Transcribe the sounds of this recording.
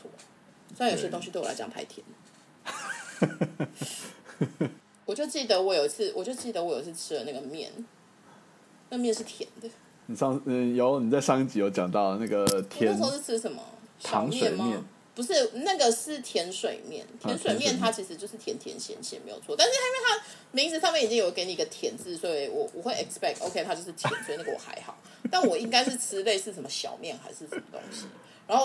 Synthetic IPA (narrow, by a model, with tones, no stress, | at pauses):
wɔ̰˥˩ | ssŋji˧˥˧o˥ŋɕy˧t̪we˥˩w̰a̰˧˥t͡ɕɑ̰˨˩ŋpʰa̰˧˥ɪt̪ʰjɛ̰˧˥n | wɔ˨˩t͡ɕjo˥˧ʊt͡ɕi˥˩d̪ə˨˦wɔ˧˥jo˨˩ʊi˥˩t͡s̩ʰ˥˩wɔ˨˩t͡ɕjo˥˧ʊt͡ɕi˥˩d̪ə˨˩wɔ˧˥jo˨˩i˧˥t͡s̩ʰ˥˧ʈ͡ʂʰɻ̩˥ə˧na˥˩ɡə˩mjɛ̰˥˩n | na˥˩ɡə˩mjɛ˥˧nʂɻ̩˥˩t̪ʰjɛ̰˧˥nd̪ə˦ | ni˨˩ʂɑ˥˧ŋ˩jɑ˧˥ni˨˩t͡sa˥˧ɪʂɑ˥˧ŋi˥˩t͡ɕi˨˥jo˥˧ʊt͡ɕjɑ˨˩ŋt̪ɑ˥˩ʊə˩na˥˩ɡə˩t̪ʰjɛ˧˦˥nʰo˨ʊʂɻ̩˥˩t͡s̩ʰ˥ʂə˨˩nmɐ̰˧˦ɕt̪ʰɑ˨ɑ˧˩˦ŋmsjɛwe˥˧n˨ɪmmjɛ˥˨n | pu˧˥ʂɻ̩˥˩na˥˩ɡə˨ʂɻ̩˥˩t̪ʰjɛ˧˥nʂwe˨˩ɪmjɛ̰˥˩nt̪ʰjɛ˧˥nswe˨˩ɪmjɛ˥˨nt̪ʰa˥t͡ɕʰi˧˥ʂɻ̩˧t͡ɕjo˥˧ʊʂɻ̩˥˩t̪ʰjɛ˧˥nt̪ʰjɛ̰˧˥nɕjɛ̰˧˥nɕjɛ̰˧˥me˧˥ɪjo˨˩t͡sʰɔ˥˧t̪a˥˧nʂɻ̩˥˩ha˥e˥˩t̪ʰa˥ | mĩ˧˥ŋi˥˩t͡s̩ʰ˧˥sʰɑ˥˧mɛ˥n˨i˨˩t͡ɕi˦ŋjo˨˩˥ke˥ni˨˩˧ɡə˧t̪ʰjɛ˧˥nt͡sɹ̩˥˩swɔ˧˥˨e˧˩ɪwɔ˨˩wɔ̰˨˩xwe˥˩ɪɛ˨˩kspɛ˥˩k̚t̪ʔo̰˧ʊkʰe˥ɪt̪ʰa˥t͡ɕjʊʂɻ̩˥˩t̪ʰɛ˧n˦nso˧˥i˨˧n˥ɡə˨˩wɔ̰˨˩xa̰˧˥ɪxɑ˨˩˦ʊ | t̪a˥˩nwɔ˨˩i˦˧˥ŋka˥ɪʂɻ̩˥˩t͡s̩ʰ˥le˥˧ɪʂɻ̩˥˩ʂə˨˩mə˦ɕjɑ̰˨˩ʊmjɛ˥˩nxa̰˧˥ɪʂɻ̩˥˩ʂə˨˧˩nmə˩t̪o̰˥ŋɕi˧˦ | ɻa˧˥nxo˥˧˩